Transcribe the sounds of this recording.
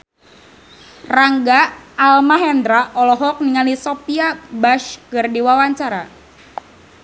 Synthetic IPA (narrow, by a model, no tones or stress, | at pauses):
raŋɡaːlmaɦɛnd̪ɾaʔɔlɔɦɔk̚niŋalisopiabaʃkɨrdiwawaɲt͡ʃaɾa